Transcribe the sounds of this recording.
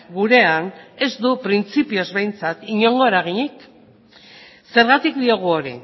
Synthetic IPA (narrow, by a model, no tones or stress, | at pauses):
ɡuɾe̞ane̞zd̪upɾint͡sipio̞zβe̞jnt͡sat̪iɲo̞ŋɡo̞eɾaɣ̞iɲik | se̞ɾɣat̪ikd̪io̞ɣ̞uo̞ɾḭ